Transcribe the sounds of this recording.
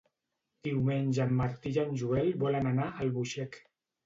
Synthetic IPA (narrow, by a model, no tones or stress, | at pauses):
d̪̥iwmenʲʒəmːaɾt̪iʒanʲʒuɛlbɔlənanaəlˠβuʃɛk